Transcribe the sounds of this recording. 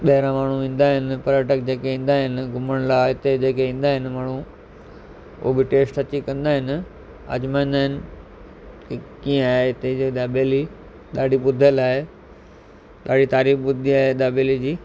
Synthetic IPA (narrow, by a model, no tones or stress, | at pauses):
ɓɐɦɪɾãmaːɳ̤uʋĩːnd̪aːɦɪnɪ̆pɐɾaːʈək̚d͡ʑeːkeĩːn̆d̪aːɦɪnɪ̆ɡʱʊməɽ̃laːɪt̪ed͡ʑeːkeĩːn̆d̪aːɦɪnɪ̆maːɳ̤u | ʊ̰ɦobɪʈeːsʈɐt͡ɕikɐ̃nd̪aːɦɪnɪ | ɐ̰d͡ʑmãɪ̃n̆d̪aːɦɪnɪ | kikĩːaːeɪt̪ed͡ʑeɗ̪aːbeli | ɗ̪aːɖiɓʊd̪ʱəlaːɦe | ɗ̪aːɖ̤it̪aːɾiːfɓʊd̪ʱiaːɦeɗ̪aːbeːlid͡ʑiː